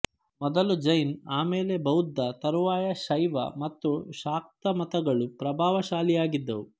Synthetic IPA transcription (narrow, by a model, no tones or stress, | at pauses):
mɔd̪ɐlud͡ʒɐjnaːmeːlebɐwd̪ʱːɐt̪ɐɾuʋaːjɐʃɐjʋɐ̰mɐt̪ːuʃaːk̚t̪ɐmɐt̪ɐɡɐɭupɾɐbʱaːʋɐʃaːlijaːɡid̪ːɐʋu